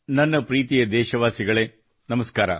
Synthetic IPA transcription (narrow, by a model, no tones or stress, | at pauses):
nɐnːɐpɾiːt̪ijɐd̪ɛːʃɐʋaːsiɡɐɭeː | nɐmɐskaːɾɐ̰